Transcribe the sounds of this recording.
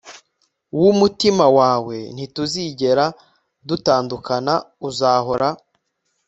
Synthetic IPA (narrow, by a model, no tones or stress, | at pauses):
wumutimawaːwe̞n̥ituziɟe̞ɾa | dutaːndukana | uzaːɦo̞ɾa